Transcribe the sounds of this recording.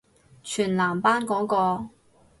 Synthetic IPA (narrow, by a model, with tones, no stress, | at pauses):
t͡ʃʰyː˨˩nlaː˨˩mpaː˥nkɔː˨˥ŋkɔː˧